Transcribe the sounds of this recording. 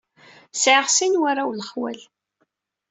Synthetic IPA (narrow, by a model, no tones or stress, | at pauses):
sʕəʁsinwaɾawləχwæ̰l